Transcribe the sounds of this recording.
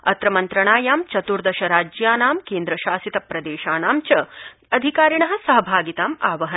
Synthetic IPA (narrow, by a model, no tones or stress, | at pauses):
ɐ̰t̪ɾɐmɐnt̪ɾɐɳaːjaːmt͡ʃɐt̪uɾd̪ɐʃɐɾaːd͡ʒjaːnaːmkeːnd̪ɾɐʃaːsit̪ɐpɾɐd̪eːʃaːnaːmt͡ʃɐ | ɐd̪ʱikaːɾiɳɐɦɐ̆sɐɦɐbʱaːɡit̪aːmaːʋɐɦɐ